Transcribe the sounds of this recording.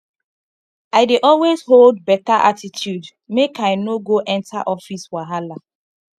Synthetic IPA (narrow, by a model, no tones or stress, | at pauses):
aɪdeʔɔlwezɦold̚bɛtaʔatitʰjud | mekaɪnoɡoʔɛ̃ntaʔɔfiswaɦala